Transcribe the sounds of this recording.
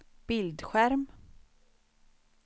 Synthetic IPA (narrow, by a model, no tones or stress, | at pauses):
b̥ɪld̪ɧæɾm